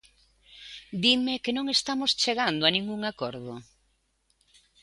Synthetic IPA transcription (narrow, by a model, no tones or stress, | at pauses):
d̪imekenõŋest̪amost͡ʃeɣand̪oanĩŋɡuŋakɔɾðʊ